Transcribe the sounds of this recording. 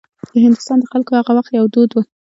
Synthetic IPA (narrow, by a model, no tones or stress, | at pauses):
d̪̥əɦɪnd̪ʊst̪ɑnd̪əxalkohaɣawaxt̪jawd̪od̪wu